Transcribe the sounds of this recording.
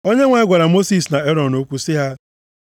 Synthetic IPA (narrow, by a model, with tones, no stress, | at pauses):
o˦ɲe˦ŋʷa˨ɪ˦ɡʷa˨ɾa˨mo˦si˨sna˨e˦ɾɔ˨no˦kʷu˦sɪ˦ɦa˦